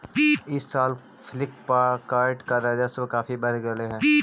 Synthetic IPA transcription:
ɪsːaːl | fʰlɪk̚pakaːɾʈkaɾaːd͡ʒaskaːfibɐɾɡəleɦɛ̃ː

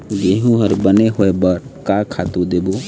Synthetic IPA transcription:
ɡeɦũɦəɾbəneɦoebəɾkakʰat̪ud̪ebo

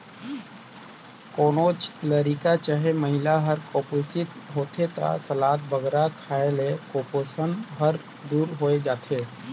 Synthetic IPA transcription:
koːnoːt͡ʃləɾikat͡ʃaɦeməɦɪlaɦəɾkoːposɪt̪ɦoːt̪ʰet̪a̰səlaːt̪̚bəɡɾakʰaːelekoːpoːsənɦəɾ | d̪uːɾɦoːed͡ʒaːt̪ʰeː

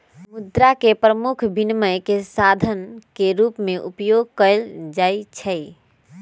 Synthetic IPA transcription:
mud̪ɾakepɾəmukʰbinməjkesad̪ʱənkeɾupmeʔupjoɡ̚kəld͡ʒajt͡ʃʰəj

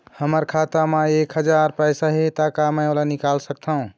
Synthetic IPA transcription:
həməɾkʰat̪amẽekɦəd͡ʒaɾpəjsaɦet̪akaməjolanikalsəkt̪ʰaũ

